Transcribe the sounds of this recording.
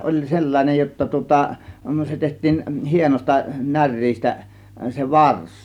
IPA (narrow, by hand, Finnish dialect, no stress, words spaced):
olʲ selːɑnʲej jotːɑ tŭŏtɑ se tehtˑiːn hienosʲtɑ nær̆ʲriːstæ se ʋɑrs